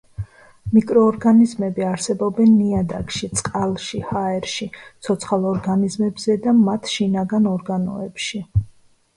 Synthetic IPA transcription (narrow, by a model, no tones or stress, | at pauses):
mikʼɾɔːɾɡanizmɛbiaɾsɛbɔbɛnːiad̪akʼʃit̪sʼqʼalˠʃihaɛɾʃit̪sʰɔt̪sʰχalˠɔɾɡanizmɛbzɛd̪amat̪ʰʃinaɡanɔɾɡanɔ̰ɛpʃi